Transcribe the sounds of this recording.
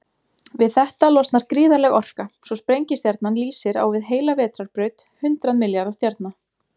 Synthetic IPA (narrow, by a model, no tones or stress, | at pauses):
vɪðθɛht̪alɔst̪naɾ̥kɾiːðaɾlɛɣɔr̥kasɔspɾejɲcɪst̪jaɾt̪nanliːsɪɾa̰wvɪðɦeːjlavɛːt̪ɾaɾpɾœːɥt̪hʏnt̪ɾaðmɪljaɾðast̪jaɾt̪na